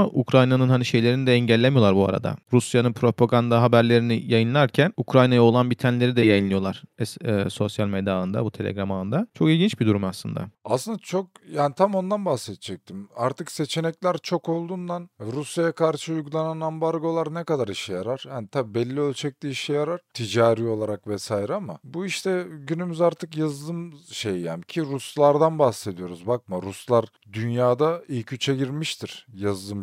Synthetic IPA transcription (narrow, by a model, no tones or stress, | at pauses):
aʔukɾajnanɯnɦaniʃe̞jlʲe̞ɾinid̪ɛɛɲɟælʲːemijo̞lˠaɾbua̰ɾa̰d̪a̰ɾusjanɯnpʰɾo̞pʰaɡand̪aɦabæɾlʲe̞ɾinijajɯnlˠaɾcʰænukɾajnajaolˠanbit̪ʰænelʲe̞ɾid̪ɛjajɯnlˠɯjo̞lˠaɾ̥ɛsɛso̞sjalʲmed̪aɯnd̪a̰but̪ʰe̞lʲḛɡɾamaɯnd̪at͡ʃʰo̞kilʲɟint͡ʃbid̪uɾumaslˠɯnd̪a̰aslɯnd̪at͡ʃʰok̚jaːnit̪ʰamo̞nd̪anbahsɛt̪ʰd͡ʒɛc̚t̪ʰimaɾt̪ʰɯkse̞t͡ʃʰe̞nɛclʲæɾt͡ʃʰo̞ko̞lˠd̪und̪anɾusjajakʰaɾʃɯujɡulˠananambaɾɡo̞lˠaɾnɛkad̪aɾiʃɛjaɾaɾ̥janit̪ʰaibɛlʲːiølʲt͡ʃʰɛc̚lʲiiʃɛjaɾaɾ̥t̪ʰid͡ʒaːɾio̞lˠaɾakvɛsaːjiɾɛama̰buiʃt̪ʰɛɟynymyzaɾt̪ʰɯkjazd̪ɯmʃejja̰nicʰiɾuslˠaɾd̪anbahse̞d̪ijo̞ɾuzbak̚mɯɾuslˠaɾ | d̪ynjaːd̪aijicʰyt͡ʃʰɛɟiɾmiʃt̪ʰiɾ̥jazd̪ɯm